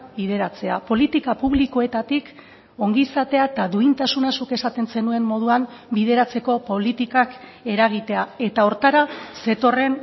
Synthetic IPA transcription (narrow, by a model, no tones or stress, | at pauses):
bið̞e̞ɾat͡se̞a̰po̞lit̪ikapuβ̞liko̞e̞t̪at̪ik | o̞ŋɡisat̪e̞at̪aðuint̪asunasuke̞sat̪e̞nse̞nue̞mmːo̞ð̞uambið̞e̞ɾat͡se̞ko̞po̞lit̪ikake̞ɾaɣ̞it̪e̞ae̞t̪aoɾt̪aɾase̞t̪o̞re̞n